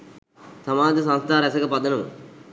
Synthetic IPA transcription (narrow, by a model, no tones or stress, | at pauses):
sɐmaːd͡ʒɐsɐ̃nst̪ʰaːɾɐsɐkɐpɐd̪ɐnɐm̰